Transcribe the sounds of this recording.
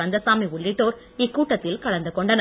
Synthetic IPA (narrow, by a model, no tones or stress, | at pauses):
ɐnd̪ɐsaːmiʊɭːɪʈːoːɾ | ɪkːuːʈːɐt̪ːɪlkɐɭɐnd̪ɯkːɔɳɖɐn